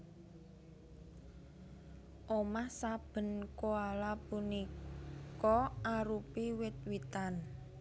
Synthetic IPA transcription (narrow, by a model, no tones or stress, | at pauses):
ʔomahsab̥ə̤nkoalapunikɔʔaɾupiwɪt̪̚wit̪an